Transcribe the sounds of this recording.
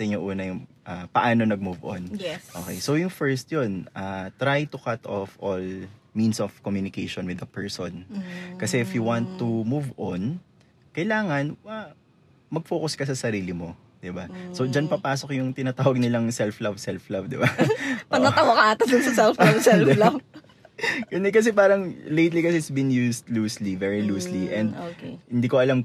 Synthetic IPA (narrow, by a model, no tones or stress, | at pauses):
sɐɪɲoʔuːnɐjʊŋʔɐpɐʔaːno̞nɐɡ̚muvʔo̰nʔoːkɛ̰jsowjʊŋfɛɹst̪̚jonʔat̪ɾajt̪ʊkat̪ɔfʔol | minsɔfkomjunɪkejʃonwɪd̪ɐpɛɹsonkɐsɛɪfjuwant̪ːumuvʔon | kɐjlaːŋɐna | mɐɡ̚foːkoskɐsɐsɐɾiːlɪmo | d̪̥ɪbaso̞d͡ʒɐnpɐpaːsokjʊŋt̪ɪnat̪aːwɐɡ̚nɪlɐŋsɛlflɐvsɛlflɐvd̪ɪbaʔpɐnɐawɐkɐʔaːt̪ɐsd̪ʊnsɐsɛlflabsɛld̪ɛlɐb | kʊnd̪ɛkɐs̬ɛpaːɾɐŋlejt̪likɐsɛɪt̪sbɪnjusd̪luːslivɛɹiluːsliʔɛ̃nd̪okhɪnd̪iːkoʔɐlam